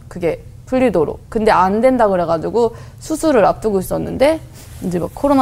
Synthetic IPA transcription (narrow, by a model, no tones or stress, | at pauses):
kɯɡe̞ | puʎːidoɾo̰k̚kɯnde̞andwe̞ndaɡɯɾɦe̞ɡad͡ʑuɡo | sʰusʰuɾɯɾap̚t͈ɯɡois͈ʌnːɯ̰nde̞ | kɯnd͡ʑemak̚kʰːoɾon